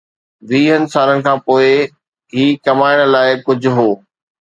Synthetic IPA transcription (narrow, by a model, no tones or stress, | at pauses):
ʋiːɦənɪ̆saːɾənɪ̆kʰãːpoːɪ | ɦiːkɐmaːɪɽ̃laːɪkʊd͡ʑʱʊ̆ɦoː